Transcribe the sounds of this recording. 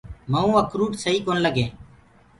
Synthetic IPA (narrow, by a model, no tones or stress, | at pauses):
məːũːəkɾuːʈsəɦiːkoːnləɡẽː